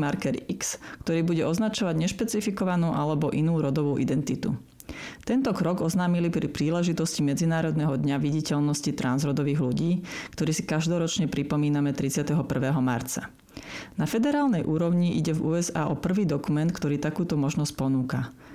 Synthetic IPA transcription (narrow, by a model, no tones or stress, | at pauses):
maɾkɛɾikskt̪ɔɾiːbuɟɛʔɔznat͡ʃɔʋaɟɲɛʃpɛt͡sifikɔʋanuːʔalɛbɔʔinuːɾɔd̪ɔʋuːʔid̪ɛnt̪it̪ṵ | t̪ɛnt̪ɔkɾɔɡɔznaːmilipɾipɾiːlɛʒit̪ɔscimɛd͡zinaːɾɔd̪nɛɦɔd̪ɲaʋiɟicɛlnɔscit̪ɾanzɾɔd̪ɔʋiːɣluɟiːkt̪ɔɾiːsi̥kaʒd̪ɔɾɔt͡ʃɲɛpɾipɔmiːnamɛt̪ɾit͡sɪat̪ɛɦɔpr̩ʋɛːɦɔmaɾt͡sa̰ | nafɛd̪ɛɾaːlnɛjʔuːɾɔʊɲiʔiɟɛvṵːɛzaːʔɔpr̩ʋiːd̪ɔkumɛnt̪kt̪ɔɾiːt̪akuːt̪ɔmɔʒnɔsc̚pɔnuːka